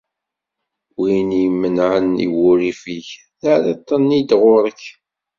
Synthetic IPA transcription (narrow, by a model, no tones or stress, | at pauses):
winijmːənʕənḭwʊɾifiç | θaɾet̪ˤːənːid̪ʁʊɾˤəkː